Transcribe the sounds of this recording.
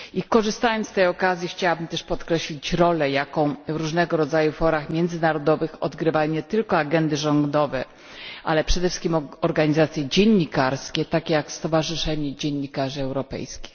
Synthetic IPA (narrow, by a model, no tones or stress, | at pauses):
ikɔʐɘst̪ajɔnt̪ɛjɔkazʲjixt͡ɕawabɘmt̪ɛʂpɔt̪kɾɛɕlʲit͡ɕɾɔlɛjakɔ̃w̃vɾuʐnɛɡɔɾɔd̪zajufɔɾaxmʲjɛnd̪zɘnaɾɔd̪ɔvɘxɔ̰d̪ɡɾɘvajɔɲɛt̪ɘlkɔaɡɛnd̪ɘʐɔŋɡd̪ɔvɛ | ʔa̰lɛpʂɛd̪ɛfʂɘ̥skʲimɔɾɡaɲizat̪sʲjɛd͡ʑɛɲːikaɾskʲɛt̪akʲejakst̪ɔvaʐɘʂɛɲid͡ʑɛɲːikaʐɘɛwɾɔpɛ̰jskʲi̥x